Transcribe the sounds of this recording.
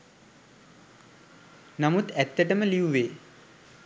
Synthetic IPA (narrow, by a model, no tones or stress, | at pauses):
namut̪æt̪ːəʈəməliuʋeː